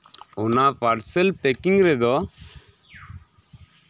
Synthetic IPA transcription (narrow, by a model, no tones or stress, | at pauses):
ɔnapaɾsɛlpɛkiŋɡɾɛd̪ɔ